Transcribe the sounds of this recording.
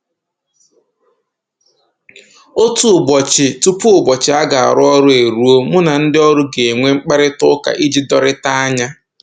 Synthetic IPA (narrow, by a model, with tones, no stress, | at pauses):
o˦tu˨ʊ˨bɔ˨t͡ʃɪ˨tu˦pu˦ʊ˨bɔ˨t͡ʃɪ˨˦a˦ɡa˨a̰˨ɾʊ˦ɔ˦ɾʊ˦e˨ɾu˨˦o˦mʊ˦na˨n̩˦dɪ˦ɔ˦ɾʊ˦ɡe˨ŋʷe˦ŋ͡m̩˦k͡pe˦ɾɪ˦tʊ˦ka̰˨ʔi˦d͡ʒi˦dɔ˦ɾɪ˦ta˦a˦ɲa˦